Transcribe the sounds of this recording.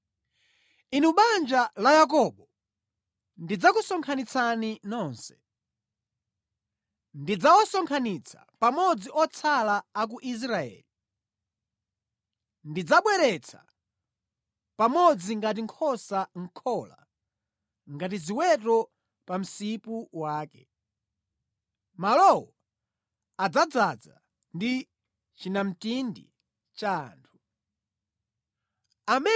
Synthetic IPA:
inuɓand͡ʒalajak̬ɔɓɔ | ndid͡zakusɔŋkʰanit͡sʰaninɔːnsɛ̥ | ndid͡zawɔsɔŋkʰanit͡sʰḁ̰ | pamɔd͡ziʔɔt͡sʰalaːk̬uʔis̬ɾaɛ̰ːli | ndid͡zaɓwɛɾɛt͡sʰḁ̰ | pamɔd͡ziŋɡat̬iŋkʰɔsaŋ̩kʰɔla̰ | ŋɡat̬iziwɛtɔ | pam̩sipuwaːkɛ̰ | malɔwɔ | ad͡zad͡zad͡za̰ | ndi | t͡ʃinam̩tindḭ | t͡ʃa̰ːntʰu̥ | amɛ

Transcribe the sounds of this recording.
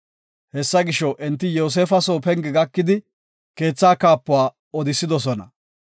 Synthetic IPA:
hɛsːɐɡɪʃɔʔɛnt̪ːɪjoːs̬eːfɐsoːpɛŋɡɪɡɐkːɪd̪ɪ | ke̞ːt͡sːaːkaːpːʊaː | ɔd̪ɪsːɪd̪ɔsɔnɐ̰

